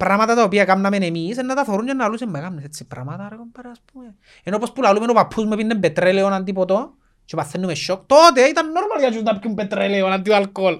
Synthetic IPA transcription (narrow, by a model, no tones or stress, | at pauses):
pɾamat̪at̪aopiakamnamenemis̬enːat̪afoɾund͡ʒenːalusemːakamneset͡sːipɾa̰mat̪aɾekompaɾaspume | enopospulalumenopapʰːusmepinːembet̪ɾeleonant̪̬ipot̪o | t͡ʃepaθenːumeʃːok̚t̪ot̪̬eait̪anːoɾmaliad͡ʒuznapkumpet̪ɾeleonant̪̬ialkol